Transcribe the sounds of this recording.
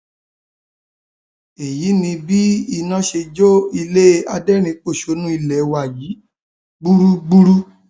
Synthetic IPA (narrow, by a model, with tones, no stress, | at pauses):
e˨ji˨˦nĩ˧bi˦i˧nã˦ʃe˧d͡ʒo˦i˧le˦˧a˧dɛ˦˨ɾ̃ĩ˧k͡po˦˨ʃo˨˧˦nũ˦i˧lɛ˨wa˨ji˨˦ | ɡ͡bu˦ɾu˦ɡ͡bu˦ɾu˦